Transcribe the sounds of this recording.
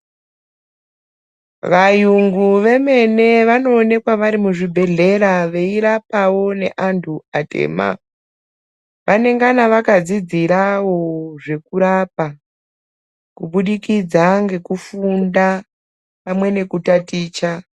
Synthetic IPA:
ʋajuŋɡuʋe̞me̞ne̞ʋano̞ːne̞kwaʋaɾimuʐibʱe̞ɮe̞ɾaʋe̞iɾapawo̞ne̞̰ʔantʰuatḛːma̰ | ʋane̞ŋɡanaʋakad͡zid͡ziɾawo̞ʐe̞kuɾap̚a | kuɓuɗikid͡zaŋɡe̞kufunda | pamwe̞ne̞kutatiːt͡ʃa

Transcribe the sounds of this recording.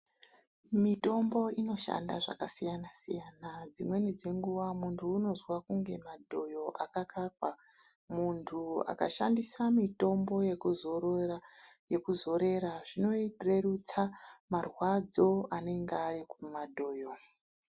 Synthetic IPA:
mito̞mbo̞ino̞ʃa̰ndaʐa̰kasijanasḭjanad͡zimwe̞nid͡ze̞ŋɡuʋamuntʰuːno̞zwakuŋɡe̞madʱo̞jo̞ʔakakakwa | muntʰua̰ka̰ʃa̰ndisamito̞mbo̞jekuzo | je̞kuzo̞ɾe̞ɾaʐino̞ire̞rut͡samarwad͡zo̞ane̞ŋɡearikumadʱo̞ːjo̞

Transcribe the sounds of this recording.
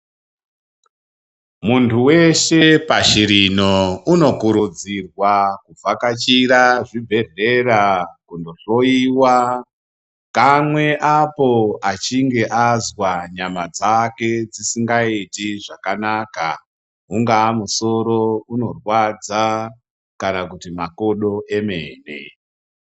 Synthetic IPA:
muntʰuwe̞ʃe̞paʃiɾino̞uno̞kuɾud͡zirwakub͡vʱakat͡ʃiɾaʐibʱe̞re̞ɾakundo̞ɬo̞iwa | kamwe̞ʔapo̞at͡ʃiŋɡe̞ʔazwaɲamad͡zake̞d͡zisiŋɡaitiʐakanaka̰ | ɦuŋɡaːmuso̞ɾo̞uno̞rwad͡za | kanakutimakoɗo̞ʔe̞me̞̰ːnḛ

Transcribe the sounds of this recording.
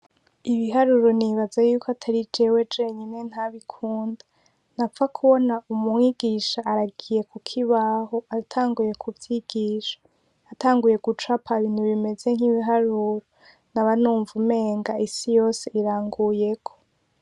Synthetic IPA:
iβiɦaɾuɾo̞niβazajuːkʰoatʰaɾid͡ʒe̞we̞d͡ʒeɲine̞n̥haβikʰuːnda | nap̪fakʰuβo̞naumuiɡ̥iʃaːɾaɡije̞kʰukʰiβaɦoatʰaːŋɡuje̞kʰuvjiɡ̥iːʃḁː | taːŋɡuje̞ɡ̥ut͡ʃapʰaβiːn̥huβime̞ze̞ŋ̥iβiɦaɾuɾo | naβanuːɱvume̞ːŋɡaʔisijo̞ːseiɾaːŋɡuje̞kʰo̥

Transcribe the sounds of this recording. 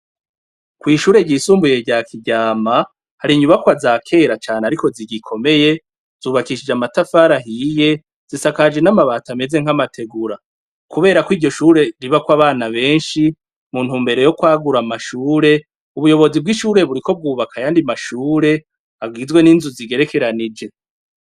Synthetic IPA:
kwiːʃuːɾe̞ɟisuːmbuje̞ɟaːkʰiɟaːma | haɾiɲuβakwazaːkʰe̞ːɾat͡ʃaːneaɾiko̞ziɟikʰo̞me̞je̞ | z̥uːβakiʃid͡ʒamatafaːɾaɦije̞ | z̥isakad͡ʒe̞namaβaːtame̞ze̞ŋ̥hamatʰe̞ɡuɾa | kuβe̞ːɾakwiːɟo̞ʃuːɾe̞ɾiβakwaβaːnaβe̞ːnʃi | muːnhuːmbe̞ɾe̞jo̞kwaːɡuɾamaʃuːɾe̞ | uβujo̞βo̞zib̚ɡiʃuːɾe̞βuɾiko̞b̚ɡuːβakajaːndimaʃuːɾe̞ | aɡɡizɡwe̞niːnzuziɡe̞ɾe̞ke̞ɾanid͡ʒe̞

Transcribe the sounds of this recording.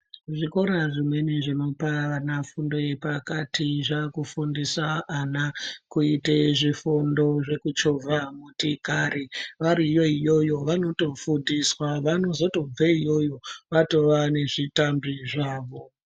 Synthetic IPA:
ʐiko̞ɾaʐimwe̞neʐino̞paʋanafundo̞je̞pakatiʐakufundisaːnakuiteʐifundo̞ʐe̞kut͡ʃovʱamutikaɾiʋaɾijo̞ijo̞jo̞ʋano̞to̞fundiswaʋano̞zo̞to̞b͡veijo̞jo̞ʋato̞ʋane̞ʐitambiʐaːʋo̞

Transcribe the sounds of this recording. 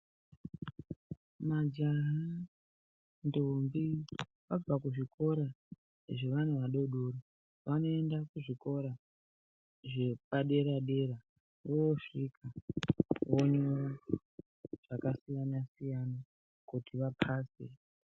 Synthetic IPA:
mad͡ʒaɦa | ndombiʋab͡vakuʐiko̞ɾa | ʐe̞ʋanuʋaɗo̞ɗoɾo | ʋano̞e̞ndakuʐiko̞ɾa | ʐe̞paɗe̞ɾaɗe̞ɾa | ʋoʂikʰa | woɲo | ʐ̥akasijanasijana | kutʰiʋapʰaːsḛ

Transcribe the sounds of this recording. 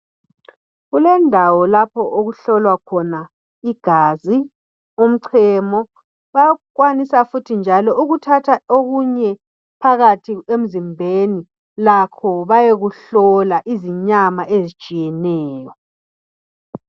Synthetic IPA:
ɣulɛndʱawɔlapʰɔʔoɣuɬɔlwakʰɔna | iɡ̥ʱaːzi | um̩ǀʰɛmɔ | βaɣwanisafutʰind͡ʒʱalɔuɣutʰatʰaoɣuɲɛ | pʰaɣatʰiem̩zimbʱeni | lakʰɔβajeɣuɬɔlaʔiziɲamaʔezit͡ʃʼijɛnɛːjɔ

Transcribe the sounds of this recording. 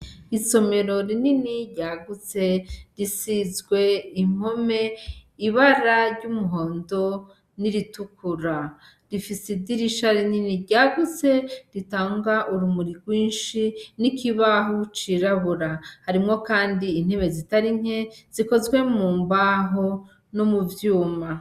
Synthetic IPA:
iso̞me̞ɾo̞ɾininiɟaːɡut͡se̞ɾisizɡwe̞im̥o̞me̞iβaɾaɾɟumuɦo̞ːndo̞ | niɾitukʰuɾa | ɾifisidiɾiʃaɾininiɟaːɡut͡se̞ɾitaːŋɡaʔuɾumuɾiɡɡwiːnʃinikiβaɦut͡ʃiɾaβuɾahaɾimŋo̞kaːndiːn̥heβe̞zitaɾiŋ̥e̞z̥iko̞zɡwe̞muːmbaɦo | nomuvjuːma

